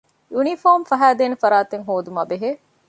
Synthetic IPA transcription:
junifoːmfɐɦæːd̪eːnefɐɾaːt̪eŋɦoːd̪umɐːbeɦeː

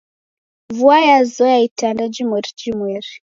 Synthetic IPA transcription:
vuajazɔjaitandad͡ʒimwɛɾid͡ʒimwɛɾi

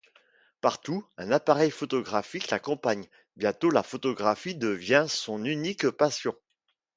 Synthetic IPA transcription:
paʁt̪uɛ̃napaʁɛjfɔt̪ɔɡʁafiklakɔ̃paɲ | bjɛ̃t̪olafɔt̪ɔɡʁafid̪əvjɛ̃sɔ̃nynikpasjɔ̃

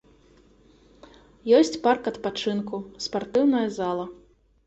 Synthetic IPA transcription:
jɔsʲt͡sʲparkɐt̪pat͡ʂɨnkuspart̪ɨwnɐjɐzalˠɐ

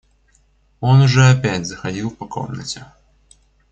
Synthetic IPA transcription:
onʊʐɛɐpʲætʲzəxɐdʲilˠpɐko̰mnə̰tʲɪ

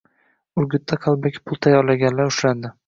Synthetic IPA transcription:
ʊɾɡʲʊt̪ʰːaqʰɑlˠbakʲpʰʊlˠt̪ʰajɒɾlaɡʲanlaɾʊʃɾand̪ɪ

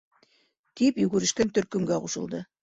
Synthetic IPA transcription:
t̪ipjɵɡɵ̆ɾɘ̆ʃkænt̪ɵ̆ɾkɵ̆mɡæquʃɤ̆lˠd̪ɤ

